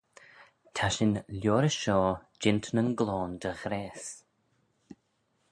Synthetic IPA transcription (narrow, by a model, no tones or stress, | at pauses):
t̪ʰaʃɪnlʲjɔːɾəʃɔːd͡ʒɪnt̪nənɡlɔːnd̪əɣɾɛːs